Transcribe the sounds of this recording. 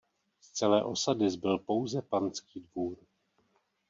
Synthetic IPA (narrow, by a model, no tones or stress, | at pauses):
st͡sɛlɛːʔo̞sadɪzbɪlpo̞wzɛpant͡skiːdvuːɾ